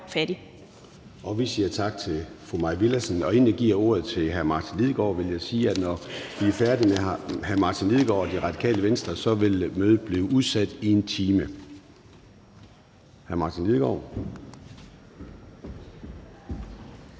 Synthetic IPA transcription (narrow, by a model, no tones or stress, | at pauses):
fæɾi | ʔɒ̽ʋisiːɐt͡sʰɑ̈ɡ̥̚t͡sʰe̝fʁumɑ̈ɪʋilæsnɒ̽enæɡ̥iɐ̰o̝ːɐ̰ð̞̩ˠt͡sʰe̝lɦæɐmɑ̈ːt͡sʰinliðˠɡ̥ɒ̰ːʋe̝ljɑɪsiːæd̥nɒʋiæɐfæɐd̥imehæɐmɑ̈ːt͡sʰinliðˠɡ̥ɒ̰ːɒd̥iʁɑ̈d̥ikʰɛ̰ːləʋensd̥ʁɐsɒ̽ʋe̝lmøːð̞̩ˠb̥liːʊʔuð̞ˠsæd̥ie̝nt͡sʰiːmə | hæɐmɑ̈ːt͡sʰinliðˠɡ̥ɒ̰ʊ̰